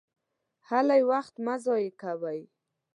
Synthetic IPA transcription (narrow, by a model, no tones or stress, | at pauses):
halajwaxt̪mazɔjekawaj